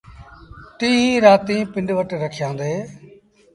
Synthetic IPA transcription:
ʈiːɦiːɾaːt̪ĩːpɪ̃ɳɖʋəʈɾəkʰjãːnd̪eː

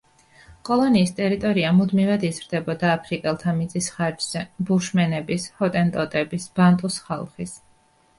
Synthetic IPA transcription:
kʼɔlˠɔniːst̪ʼɛɾit̪ʼɔɾiamud̪mivad̪izɾd̪ɛbɔd̪aːpʰɾikʼɛlˠt̪ʰamit̪ʼisχaɾd͡ʒz̥ɛbuʃmɛnɛbishɔt̪ʼɛnt̪ʼɔt̪ʼɛbisb̥ant̪ʼusχa̰lˠχis

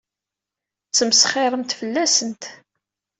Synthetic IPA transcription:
t͡sːəməsχɪɾˤəmt̪fəlːæsənt̪

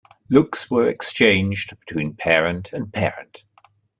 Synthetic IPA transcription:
lʊkswəɹɛkst͡ʃẽɪ̃nd͡ʒdb̥ɪ̥tʰw̥ĩːnpʰɛːɹə̃ntʰə̃npʰɛ̰ːɹə̰̃nt

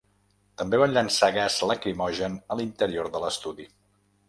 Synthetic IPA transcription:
t̪əmbeβanʎənsaɣazləkɾimɔʒənəlint̪əɾioɾðələst̪uði

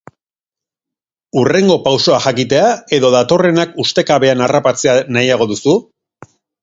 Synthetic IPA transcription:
ure̞ŋɡo̞pawso̞axakit̪e̞ae̞ðo̞ðat̪o̞re̞nakust̪e̞kaβe̞anarapat͡se̞anajaɣ̞o̞ðusu

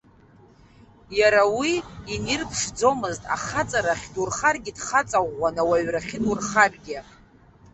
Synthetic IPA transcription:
jaɾawiːnirpʰʂd͡zo̞mɨztʼa̰χat͡sʼaɾaχʲdurχarɡʲidχat͡sʼaʁʷːanawaɥraχʲɪdurχarɡʲɪ

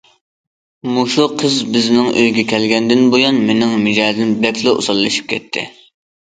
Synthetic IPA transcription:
muʃuqʰːəzbɪznɪŋʔøjɡʲɛkʲɛlɡʲɛnd̪ɪnbojɑnmenɪŋmɪd͡ʒɛːd̪ɪnblɛkʲʰlˠɨʔo̰sɑlˠːɨʃi̥p̚kʲʰɛt̪ʰːɪ̰

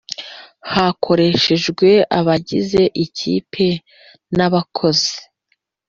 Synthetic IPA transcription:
hakʰo̞ɾe̞ʃe̞ʒɡwe̞aβaɟize̞ʔicḭːpʰe̞ | naβakʰo̞ze̥

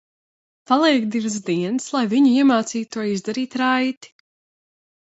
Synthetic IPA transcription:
palˠiɛkd̪ivs̬d̪iɛnslˠajviɲuiɛmaːt̪siːuɔizd̪aɾiːt̪ɾajt̪i̥

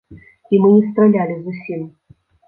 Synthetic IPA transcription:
imɨist̪ɾɐlʲalʲɪzusʲim

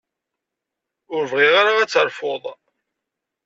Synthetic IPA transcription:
ʊɾvʁiʁaɾaæt͡sːəɾˤfoðˤ

